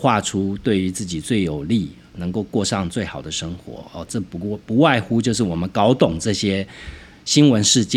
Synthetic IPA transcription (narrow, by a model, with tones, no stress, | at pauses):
xwa˥˩ʈ͡ʂʰu˥t̪we˥˩ɪy˧˥t͡sɹ̩˥˩t͡ɕi˨˩t͡swe˥˩ɪjo˨˩ʊli˥˨˩ | nɤ˧˥ŋko˥˧ʊkwɔ˥˧ʂɑ˥˧ŋt͡swe˥˩ɪxɑ˨˩ʊd̪ə˦ʂə˥ŋxwɔ̰˧˥ɔ˥˨ʈ͡ʂɤ˥˩pu˧˦˧pu˧˦˥wa˥˩ɪxu˥t͡ɕjo˥˧ʊʂ̬ɻ̩˥˩wɔ˨˩mə˦nkɑ˥ʊt̪ʊ˨˩ŋʈ͡ʂɤ˥˩ɕjɛ˥ | ɕi˥nwə˦nʂɻ̩˥˧t͡ɕjɛ˥